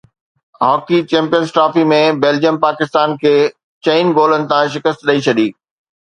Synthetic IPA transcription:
ɦɔːkit͡ɕɛ̃ːmpijənzsʈɾaːfimẽbeːld͡ʑijəmpaːkɪst̪aːnkʰeː | t͡ɕeɪnɡoːlənɪ̆t̪ʰãʃ̬ɪkəst̪ɗɐit͡ɕʰɐɗiː

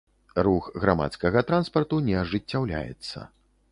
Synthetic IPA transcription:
ruxɣɾama̰t̪skɐɣɐt̪ɾanspɐrt̪unʲɛɐʐɨt͡sʲːawlʲa̰jɛ̰t̪sːɐ̰

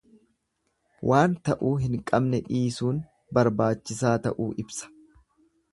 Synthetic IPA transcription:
wʔaːnt̪ɐʔuːɦɪŋkʼɐbnɛᶑiːsuːn | bɐɾbaːt͡ʃːɪsaːt̪ɐʔuːʔɪbsɐ̥

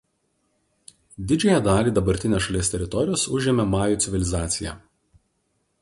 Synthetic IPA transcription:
d̪ʲɪd͡ʒʲɛjɛd̪ɑːlʲiːd̪ɐbɐɾʲt̪ʲɪnʲeːsʃɐlʲiɛst̪ʲɛɾʲɪt̪ɔɾʲɪjoːsʊʒʲɛmʲɛmɑːjuːˑt̪sʲɪʋʲɪlʲɪzɑːt̪sʲɪjæ̰ː

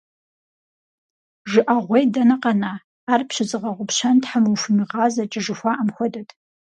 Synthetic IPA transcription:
ʒɨʔaʁʷejdɐnɐqɐnaː | rpɕɪzɨʁɐʁʷʊpɕɐntħamuwfɨmiʁɑːzɐt͡ʃʼɪʒɨxʷaʔamxʷɔdɐtʰʼ

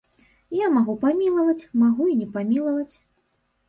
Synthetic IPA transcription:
jamaɣupamʲilˠɐvɐt͡sʲmaɣuinʲɛpamʲilˠɐvɐt͡sʲ

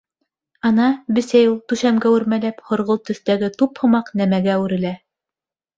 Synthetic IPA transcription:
ɑnɑbɘ̆sæjulˠt̪ʉʃæmɡæwɘ̆ɾmælæphŏɾʁolˠt̪ɵ̆θt̪æɡɘt̪uphŏmɑqnæmæɡæʉɾɘ̆læ

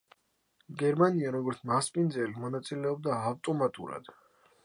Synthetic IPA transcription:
ɡɛɾmaniaɾɔɡɔɾt̪sʰmaspʼind̪zɛlimɔnat̪sʼilɛɔb̚d̪aːvt̪ʼɔmat̪ʼṵɾa̰d̪̥

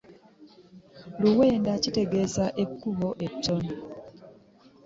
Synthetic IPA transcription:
luwɛndat͡ʃitɛɡesaʔekːuɦɔʔet͡ʃːɔn

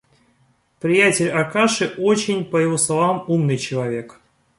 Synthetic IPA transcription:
pɾʲɪjætʲɪlʲakaʂɨʔot͡ɕɪnʲpəjɪvoslˠavamumnɨjt͡ɕɪlˠɐvʲe̞k

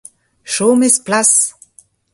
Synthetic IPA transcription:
ʃoːmɪsplas

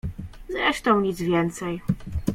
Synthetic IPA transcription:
zɾɛʂt̪ɔ̃w̃ɲid̪zvʲjɛnt̪sɛj

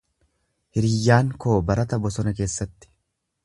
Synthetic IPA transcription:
hɪɾiːjːaːŋko̞ːbɐɾɐt̪ɐbɔsɔnɐk̬e̞ːsːɐt̪ːɪ̥

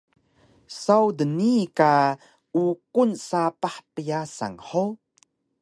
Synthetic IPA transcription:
sawdənika | ukunsapaħpəjasa̰ŋħo

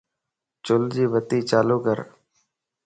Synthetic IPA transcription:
t͡ʃʊld͡ʒiːʋət̪iːt͡ʃaːloːkəɾ

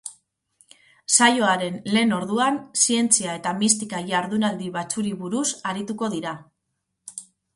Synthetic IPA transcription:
sajo̞aɾe̞nle̞ːno̞ɾðuansie̞nt͡siae̞t̪amist̪ikaʝaɾðunald̪iβat͡suɾiβuɾusaɾit̪uko̞ðiɾa

